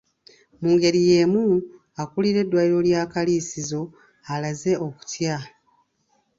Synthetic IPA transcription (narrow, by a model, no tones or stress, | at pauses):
muːŋɡe̞ɾije̞ːmu | akuliɾe̞dːwajiɾo̞ljaːkaliːsizo̞ | alaze̞ʔo̞ku̥tja